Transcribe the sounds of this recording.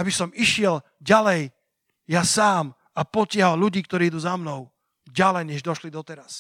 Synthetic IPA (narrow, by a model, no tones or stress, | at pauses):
abisɔmiʃɪɛl | ɟalɛj | jasaːm | apɔcɪaɦalʎuɟiːkt̪ɔɾiːid̪uːzamnɔʊ | ɟalɛjɲɛʒd̪ɔʃlid̪ɔt̪ɛɾas